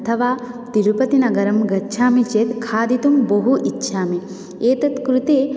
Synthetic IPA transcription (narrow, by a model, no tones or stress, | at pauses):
ɐt̪ʰɐʋaːt̪iɾupɐt̪inɐɡɐɾɐmɡɐːʃʰaːmit͡ʃeːt̪kʰaːd̪it̪umboɦuʔitːʃʰaːmi | eːt̪ɐt̪kɾut̪eː